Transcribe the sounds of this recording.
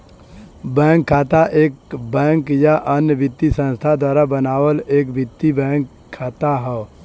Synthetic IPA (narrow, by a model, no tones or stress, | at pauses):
bɛ̃ːŋkʰːaːt̪aʔeːkbɛ̃ːŋkjaʔənjəbɪt̪ːisə̃nst̪ʰad̪waːɾabənaːwəleːkbɪt̪ːibɛ̃ːŋkʰːaːt̪aɦɛ